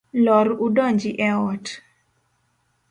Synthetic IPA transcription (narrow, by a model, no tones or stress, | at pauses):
lɔɾudɔɲd͡ʒiʔɛɔt